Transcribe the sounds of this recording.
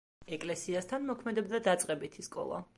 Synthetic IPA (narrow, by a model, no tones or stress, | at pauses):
ɛkʼlɛsiast̪ʰanmɔkʰmɛd̪ɛbd̪ad̪at̪sʼqʼɛbit̪ʰiskʼɔ̰lˠa̰